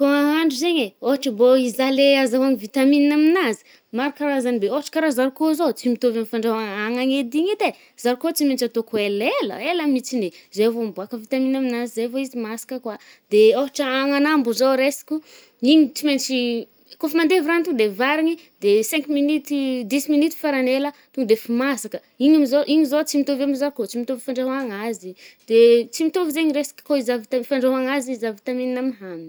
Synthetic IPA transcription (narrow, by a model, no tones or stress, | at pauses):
koaɦaɳɖ͡ʐuzeɲeoɦaʈ͡ʂəboizaleazaaŋivit̪amininaminazi̥ | maɾakaɾazanibeoɦaʈ͡ʂə̥kaɾazaɾukozot͡simit̪ovamifaɳɖ͡ʐaaŋaŋed̪iɲet̪e | z̥aɾikot͡siment͡ʃat̪okuelelə̰eləmit͡sinezevombuakəvit̪aminaminazizevoizimasi̥kəkwa | d̪eoɦaʈ͡ʂəaŋanambuzowɾesi̥kʲu | iɲit͡siment͡ʃi | kofimand̪evɾant̪uŋd̪evaɾiɲi | d̪esɛ̃ŋkminit̪id̪isminit̪i̥faɾanelət̪uŋd̪efimasakə | iɲamizoʔiɲizot͡simit̪ovamizaɾkot͡simit̪ovifaɳɖ͡ʐaɦaŋazid̪̥et͡simit̪ovizeɲiresḁkə̥koizavit̪afaɳɖ͡ʐaɦaŋazizavit̪amininamɦam